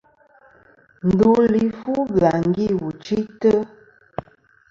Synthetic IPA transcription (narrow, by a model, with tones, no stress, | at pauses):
n̩˨du˨˦li˨fu˦bɰa˨ŋ˦ɡi˦˨wu˨t͡ʃi˦tə˦